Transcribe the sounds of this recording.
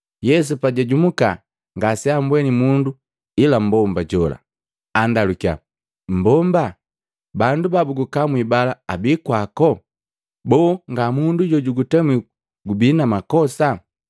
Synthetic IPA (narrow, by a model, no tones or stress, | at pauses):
jɛs̬upaɟaɟumuka̰ | ŋɡasɛambwɛnimundu | ilam̩bɔmbaɟɔla̰ | andalukia̰ | m̩bɔmba | bandubabuɡukamwibalaabikwakɔ | bɔːŋɡamunduɟɔɟuɡutɛmwi | ɡubinamakɔsa